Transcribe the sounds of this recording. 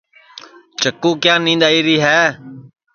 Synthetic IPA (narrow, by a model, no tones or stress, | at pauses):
t͡ʃəkːũːkjãːnĩːnd̪aːiːɾiːɦɛː